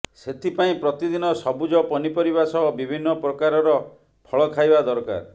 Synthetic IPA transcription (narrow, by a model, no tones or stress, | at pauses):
set̪ʰipaĩpɾɔt̪id̪inɔsɔbud͡ʒɔpɔnipɔɾibasɔɦɔbibʱinːɔpɾɔkaɾɔɾɔ | pʰɔɭɔkʰajbad̪ɔɾka̰ɾ